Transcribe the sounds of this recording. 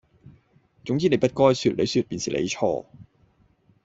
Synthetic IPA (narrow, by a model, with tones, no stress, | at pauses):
t͡ɕʊ˨˥˦ŋtʰiː˧˩na˨˥pa˦˥t̪̚kɔː˧jsɯː˨˩t̪̚lɛ˨˥sɯː˨˩t̚pi˨nsi˨˥lʔa̰˨˦˥t͡ɕʰɔ̰ː˧˩